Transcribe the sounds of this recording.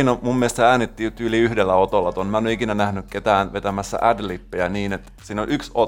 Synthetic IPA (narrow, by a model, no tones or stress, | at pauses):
inomumːielst̪sææːnit̪ːit̪yliːyhdelːæot̪olːˑɑt̪onmæenoikinænæhnykket̪æːnʋet̪æmæsːæ̰ʔædlipːeæniːnet̪ | siːnolykso